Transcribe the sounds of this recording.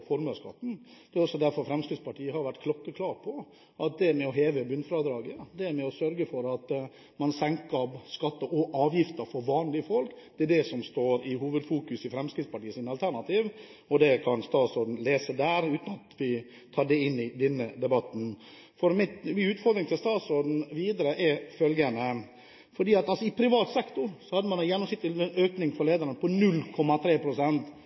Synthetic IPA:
fɔɾməskɑ̰t̪ːn̩d̪̥ɛɾɔsɔd̪æɾfɔɾfɾɛmskɾɪt̪spʰɑʈʰiːəhɑɾʋæʈːkʰlɔkːəkʰlɑːɾpʰɔ | ʔɑt̪̚d̪ɛmɛɔɦeːʋəbʉnfɾɑːd̪ɾɑːɡəɑd̪ɛmɛɔsœɾɡəfɔɾɑt̪ | mɑnsɛŋkɑbskɑt̪ːəʔɔʔɑːʋjɪft̪əɾfɔɾʋɑːnlɪəfɔlkd̪ɛæɖɛsɔmst̪oːɾɪɦuːʋəd̪fuːkʉsɪfɾɛmskɾɪt̪spɑʈiːəsɪnɑlt̪ʰæɾɳɑt̪iːʋ | ɔd̪ɛkʰɑnst̪ɑːsɔd̪n̩leːsəd̪æːɾʉːt̪n̩ɑt̪ʋɪ | t̪ʰɑːɖɛɪnːɪd̪ɛnːəd̪ɛbɑt̪ːn̩ | fɔɾmɪmɪʉːt̪fɔɾd̪ɾɪŋt̪ʰɪlst̪ɑːt̪sʊɾd̪n̩ʋiːd̪əɾəʔɛfœlɡənə | fɔɖiːɑt̪ɑlsɔɪpʰɾɪʋɑːt̪sɛkt̪ʊɾsɔhɑd̪ːəmɑnɑjɛnːɔmsɪt̪ːəløːknɪŋfɔɾɭeːd̪əɾənəpʰɔnʉlːkʰɔmːɑt̪ʰɾeːpʰɾʊsɛnt̪

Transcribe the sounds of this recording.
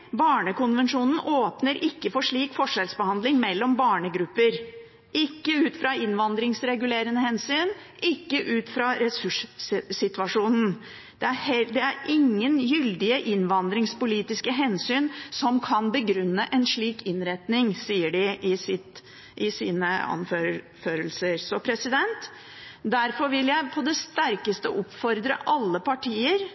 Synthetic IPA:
bɑːɳəkʊnʋɛnʂuːnn̩ʔoːpnəɾʔɪkːəfɔʂɭiːkfɔʂɛlsbəhɑnd̪lɪŋmɛlːɔmbɑːɳəɡɾʉpːəɾ | ʔɪkːəʉːt̪fɾɑɪnʋɑnd̪ɾɪŋsɾɛɡʉleːɾənəhɛnsyːnʔɪkːəʔʉːt̪fɾɑɾɛsʉʂsɪt̪ʋɑʂuːnn̩ | d̪̥ɛæhɛd̪ɛæɾɪŋːənjʏld̪ɪəʔɪnʋɑnd̪ɾɪŋspʊliːt̪ɪskəɦɛnsyːnsɔmkʰɑnbəɡɾʉnːəʔɛnʂɭiːkʰɪnɾɛt̪nɪŋsiːəɖɪʔɪsɪt̪ | ʔɪsiːnəɑ̰nfø | føːɾəlsəɾsɔpʰɾɛsɪd̪ɛnt̪ | d̪æɾfɔɾʋɪljæɪpʰɔd̪ɛst̪æɾkəst̪əʔɔpfɔɾd̪ɾə̰ʔɑlːəpʰɑʈʰiːəɾ

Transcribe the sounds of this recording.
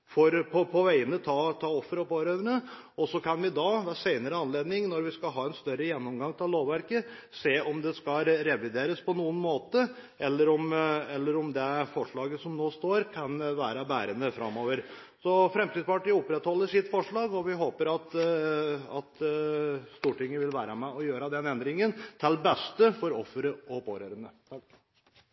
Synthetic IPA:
fɔɾpʰɔpʰɔʋæɪənət̪ʰɑːt̪ʰɑːɔfːəɾɔpɔɾøːʋəɳə | ɔsɔkʰɑnʋɪd̪ɑd̪æʂæɪnəɾəɑnleːd̪nɪŋnɔɾʋɪskɑlɦɑːɛnst̪œɾəjɛnːɔmɡɑŋːt̪ʰɪlloːʋʋæɾkəseːʔɔmd̪ɛskɑɾɛʋɪd̪eːɾəspʰɔnuːənmoːt̪ə | ɛlːəɾɔmɛlːəɾɔmd̪ɛfɔʂɭɑːɡəsɔmnoːst̪oːɾkʰɑnʋæːɾɑbæːɾənəfɾʔɑ̰mːoːʋəɾ | sɔfɾɛmt̪iːd̪spɑʈiːɔpɾɛt̪hɔlːəʂɪt̪ːfɔʂɭɑːɡɔʋɪɦoːpəɾɑt̪ | ɑt̪ | st̪uːʈɪŋːəʋɪlʋæːɾɑmɛɔjøːɾɑd̪ɛnɛnd̪ɾɪŋənt̪ʰɪlbɛst̪əfɔɾɔfːəɾəɔpʰoːɾøːɾənə

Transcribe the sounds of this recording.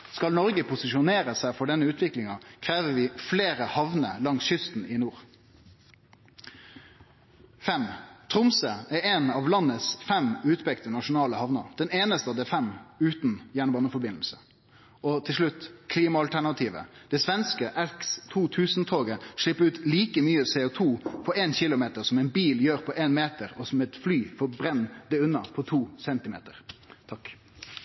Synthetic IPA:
skɑlnɔʁɡəpʰʊsɪʃʊneːʁəsæɪfɔɖɛnːəʉːt̪ʰʋɪklɪŋɑkʰʁeːʋəʋɪːfleːʁəhɑʋnə̰lɑŋsʃʏst̪n̩ɪnuːʁ | fɛmt̪ʰʁʊmsəæɾeːnɑːʋlɑnːəsfɛmʉːt̪pɛkt̪ənɑʂʊnɑːləhɑʋnəɾd̪̥ɛneːnəst̪əɑʋd̪ɛfɛmʉːt̪n̩jæːɳəbɑːnəfɔɾbɪnlsə | ʔɔt̪ʰɪlʂɭʉt̪ːkʰliːmɑɑlt̪ʰæɳɑt̪ʰiːʋə̰d̪̥ɛsʋɛnskəʔɛkst̪ʰuːt̪ʰʉːsnt̪ʰoːɡəʂɭɪpːəɾʉːt̪liːkəmyːəsɛːʊt̪ʰuːpʰɔençɪlʊmeːt̪əʁsɔmɛɪnbiːljøːʁpʰɔʔeːnmeːt̪əɾɔsɔmɛt̪flyːfɔbɾɛnːd̪ɛʉnːɑpʰɔt̪ʰuːsɛnt̪ɪmḛːt̪əɾt̪ʰɑk

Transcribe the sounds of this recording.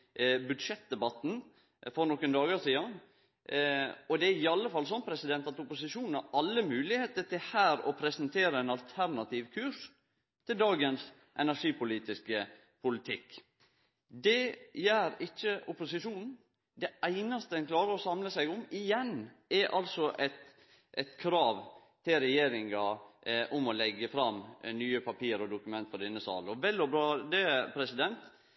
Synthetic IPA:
bʉd̪ʂɛt̪̚d̪ɛbɑt̪n̩ | fɔɾnɔkənd̪ɑːɡɑʂiːɑn | ɔd̪ɛæɾɪɑlːəfɑlːs̬ɔnːpʰɾɛsɪd̪ɛnt̪ɑt̪ʊpʊsɪʂuːnn̩hɑɾɑlːəmʉːlɪheːt̪əʈ̪ɪhæːɾɔ̰pʰɾɛsənt̪ʰeːɾəɛnɑlt̪ʰæɾnɑt̪ʰiːʋkʰʉʂ | t̪ʰɪld̪ɑːɡəns | ʔɛnæʂiːpʊliːt̪ɪskə | pʰʊlɪt̪ʰɪkː | d̪ɛjæːɾɪt͡ʃːəʊpʊsɪʂuːnn̩ | d̪ɛæɪnɑst̪əɛnkʰlɑːɾəɾɔsɑmləsæɪɡʊmɪjɛnɛʔɑlsɔʔɛt̪ | ʔɛt̪kʰɾɑːʋ | t̪ʰɪlɾɛjeːɾɪŋɑʔʊmɔlɛɡːəfɾɑmnyːəpʰɑpʰiːəɾɔd̪ʊkʉmɛnt̪fɔɖɪnːəsɑ̰ːlɔʋɛlːɔbɾɑːd̪ɛpʰɾɛsɪd̪ɛnt̪

